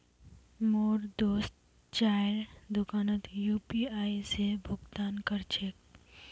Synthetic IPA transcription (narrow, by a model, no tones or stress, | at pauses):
moːɾd̪oːst̪ | t͡ʃaːɾd̪ʊkaːnət̪juːpiaːisebʱʊɡt̪aːnkɐɾt͡ʃek̚